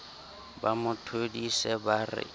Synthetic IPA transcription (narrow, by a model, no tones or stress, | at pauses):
bamʊtʰodisɛbarɪ̰